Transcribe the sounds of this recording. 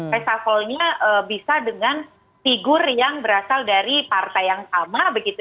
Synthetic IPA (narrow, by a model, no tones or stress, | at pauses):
pasafɔlɲaʔəbisadəŋan | t̪iɡʊrjaŋbəɾasaldaɾipart̪ajaŋsamabəɡit̪u